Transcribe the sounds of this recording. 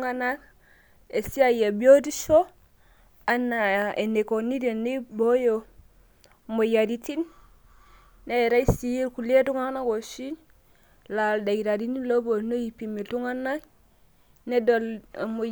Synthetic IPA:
ŋa˦na˦k | e˨si˦a˨je˨bi˦o˦di˦ʃo˦ | a˦nːa˨e˨ne˨ko˨ni˦de˨ni˦bo˦jo˨ | mo˨ja˨ɾi˦ti˦n | e˦e˨ɾa˦i˦si˦je˦lku˨le˦tu˦ŋa˦na˦ɡo˨ʃi˦n | la˨lda˨ɡi˨ɾa˨di˦ni˦lo˦bo˨no˦ji˨pi˨mi˨tu˦ŋa˦na˦k | ne˦do˨lmo˨

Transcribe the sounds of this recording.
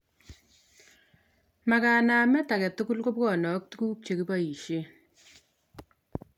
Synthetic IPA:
ma˨kaː˨naː˨mɛ˦ta˨kɛ˨tu˦ku˦lko˦p̚kɔː˦˨nɔ˨˦k̚tu˦kuː˦k̚t͡ʃe˨ki˦ba˦i˨ʃe˦

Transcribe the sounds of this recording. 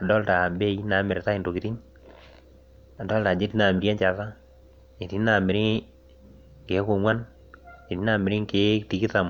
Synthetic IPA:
a˨dɔ˦lta˨be˦i˦na˨˦mɪ˨ɾɪ˨ta˦ɪ˨nto˨ki˨ti˦n | a˨dɔ˦lta˨d͡ʒe˦ti˦na˨mɪ˨ɾja˦nt͡ʃa˨sa˦ | e˨ti˦na˨mɪ˨ɾɪ˦ | ke˨˦kʊ˨ŋwa˦n | e˨ti˦na˨mɪ˨ɾɪ˦ŋke˦ti˨ki˦ta˨m

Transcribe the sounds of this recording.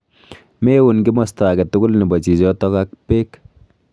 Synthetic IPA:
me˦wunkɪ˦mɔ˨sta˨kɛ˨tʊ˦ɡʊ˦lni˨bɔ˨t͡ʃi˨d͡ʒɔ˦tɔ˦ka˦k̚peː˦k

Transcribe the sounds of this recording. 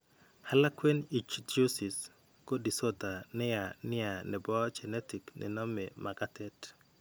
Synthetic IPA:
ha˦la˦kwe˦ni˨t͡ʃd͡ʒo˦si˨s | ko˦di˨so˦t̪a˨nɪ˦ja˨nɪ˦a˨nɛ˨bɔ˦t͡ʃɛ˨nɛ˦ti˨knɪ̰˨nɔ˦mɪ˨ma˨ɡa˦tɛ˦t

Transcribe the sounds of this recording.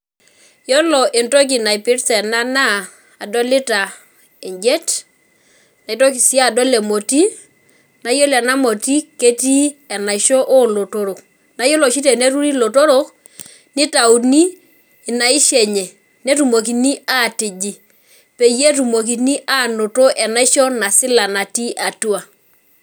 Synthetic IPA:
jɔ˦lɔ˨ʔe˨nto˦k̬i˨na˨i˨pɪ˦ɾsɛ˨na˦naː˦˨ | dɔ˦lɪ˦ta˨ | e˨ɲd͡ʒe˦t | na˨i˨˦to˦k̬i˨si˦a˦˨do˦le˨mo˨ti˦ | na˦jo˦lɛ˨na˦mo˨ti˦ke˦ti˦ɛ˨na˨ʃo˦ʔo˦˨lo˨to˦ɾo˨k | na˦jo˦lɔ˨ʃi˦t̬ɛ˨ne˦tu˦ɾi˦lo˨to˦ɾo˦k | nɪ˦ta˨u˨ni˦˨ | na˨i˦ʃɛ˨ɲɛ˨ | ne˦tu˨mo˨ki˨ni˦a˦ti˨d͡ʒi˨ | pe˨je˦tu˨mo˨k̬i˨ni˦ʔa˦˨no˨to˦ʔɛ˨na˦i˦ʃɔ˦na˨sɪ˦la˨na˨ti˦ʔa˨tu˦a˨

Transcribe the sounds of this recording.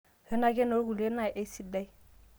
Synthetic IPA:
hə˦na˦ɡe˦no˦ɡu˨le˦na˨ʔe˦si˦da˦j

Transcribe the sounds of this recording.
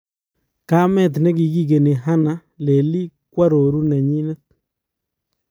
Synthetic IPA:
ka˦mɛ˦˨t̪̬nɛ˦ki˨ki˦k̬e˨ne˨ɦa˦na˨˦ | le˨li˦kwa˦ɾo˨ɾu˦nɛ˨ɲi˦nɛ˦t̪̚

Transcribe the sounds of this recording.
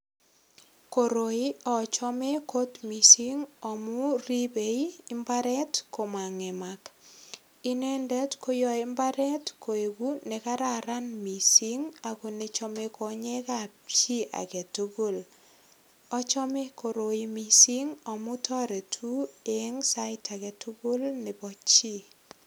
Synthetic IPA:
ko˨ɾo˨i˦ɔ˨t͡ʃɔ˦me˦ko˦tmi˨si˦ŋɔ˨mu˦ri˦be˨iː˦mba˦ɾɛ˦tko˨ma˨ŋe˨ma˨k | i˦nɛ˦ndɛ˦tko˦jɔ˨e˦mba˦ɾɛ˦tko˨e˨ɡu˦ne˨ka˦ɾa˨ɾa˦nmi˨siŋa˨ko˨ne˨t͡ʃɔmekɔ˨ɲɛ˦ka˨p̚t͡ʃi˦ʔa̰˨ke˨tuɡu˦l | ɔ˦t͡ʃɔ˦me˦ko˨ɾo˨imi˨si˦ŋɔ˨mu˦tʰɔ˦ɾe˨tʰu˦e˦ŋsa˦ɪtʰa˨ke˨tuɡu˦lne˨bɔ˦t͡ʃi˦

